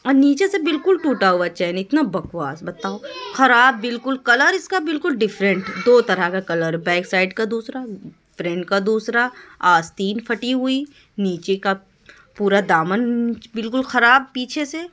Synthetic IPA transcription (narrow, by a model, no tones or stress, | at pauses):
ɔːniːt͡ʃesebɪlkʊlʈuːʈaɦʊat͡ʃaːɦinɪt̪nabɐkwaːsbɐt̪aːoxɐɾaːbːɪlkʊlkɐləɾɪskabɪlkʊlɖɪfɾə̃ɳʈd̪oːt̪ɐɾakakɐləɾbɛːksaːɪɖkad̪uːsɾaɪfɾɛ̃ɳʈkad̪uːsɾaaːst̪iːnfʰɐʈiɦʊi | niːt͡ʃeka | puːɾad̪aːmənbɪlkʊlxɐɾaːb̚piːt͡ʃʰese